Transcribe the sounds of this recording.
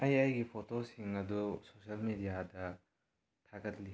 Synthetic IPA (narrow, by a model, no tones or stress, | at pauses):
ɐjɐjɡipʰotosiŋɐdusosɐlmidijadɐ | tʰaɡɐtli